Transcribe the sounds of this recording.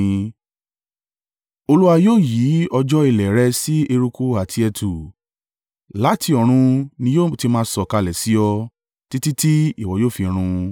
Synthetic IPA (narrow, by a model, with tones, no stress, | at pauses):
o˧lu˦a˧joː˦˨ji˨˦ɔ˧d͡ʒɔ˦i˧˨lɛ˨ɾɛ˧si˦e˧ɾu˧ku˦a˨tʰi˧˦ɛ˧tʰu˨ | la˨˦ti˧ɔ˨ɾ̃ũ˧nĩ˧˦jo˦˨ti˧mãː˦˧sɔ˨ka˧lɛ˨si˨˦ɔ˧ | ti˦ti˦ti˦i˦˨wɔ˨joː˦˨fi˧ɾ̃ũ˧